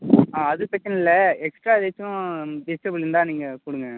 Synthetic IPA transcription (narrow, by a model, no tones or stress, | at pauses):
aːɐðɯpɛt͡ʃːɐnɪlːɐɛksʈɾaːd̪et͡ʃːʊ̃dɪsʈɐbɯlɪnd̪ãːniːŋɡɐkuɽɯŋɡɛ̃